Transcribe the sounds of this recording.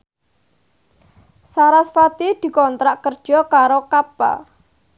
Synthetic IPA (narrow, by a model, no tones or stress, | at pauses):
saɾasfat̪id̪̥i̤kɔnt̪ɾaʔkərd̥ʒ̥ɔ̤kaɾokab̥a̰